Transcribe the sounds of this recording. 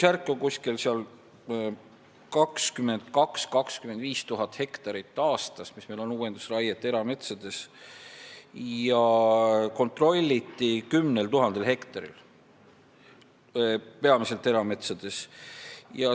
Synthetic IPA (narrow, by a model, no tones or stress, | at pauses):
særkːˑokusʲkilseɑl | kɑkskyme̞nd̪̥kɑkskɑkskyme̞nd̪viːst̪uɦɑt̪ːˑhe̞kt̪ɑɾit̪ːˑɑːst̪ɑsmismejlo̞nuwe̞nd̪̥u̥srɑjet̪ːˑe̞ɾɑme̞t̪sɑd̪̥e̞s | jɑ | ko̞nt̪ˑro̞lʲːit̪ːˑikymnelt̪uɦɑnd̪̥e̞lɦe̞kt̪ɑɾḭl | pe̞ɑmise̞lt̪ːˑe̞ɾɑme̞t̪sɑd̪̥e̞s | jɑ